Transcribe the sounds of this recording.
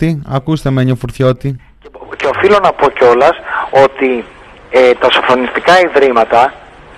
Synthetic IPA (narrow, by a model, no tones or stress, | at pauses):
iɐ̰kust̪e̞meɲofuɾθço̞t̪i | ceofilo̞nɐpo̞ceo̞lɐso̞t̪i | et̪ɐsofɾonist̪ikɐiðɾimɐt̪ɐ